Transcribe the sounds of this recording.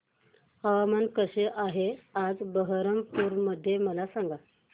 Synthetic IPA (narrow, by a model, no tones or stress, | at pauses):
aʋamənkəɕeʔaɦead͡zbəɦəɾəmpuɾməd̪ʱːjeməlasaŋɡa